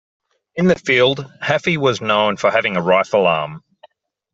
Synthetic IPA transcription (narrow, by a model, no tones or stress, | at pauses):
ɨ̃nðɨfilˠd̥̚hæfiwʌznə̃ʊ̃nfəhævɪ̃ŋəɹaɪfəl̩ˠɑ̰ːm